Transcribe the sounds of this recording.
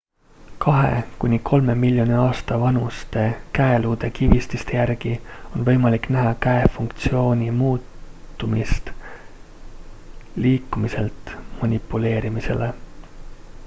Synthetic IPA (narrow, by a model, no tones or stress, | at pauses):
kɑɦe̞̰kunʲikʰo̞lme̞milʲːjo̞nʲiɑːst̪ɑvɑnust̪e̞kæeluːd̪̥e̞kivist̪ist̪ejærɡ̥io̞nvɤjmɑlikːnæɦɑkæefuŋkt̪sio̞ːnʲimuːt̪ːˑ | umist̪ | liːkːˑumiselt̪ˑmɑnʲipːˑule̞ːɾimise̞̰le̞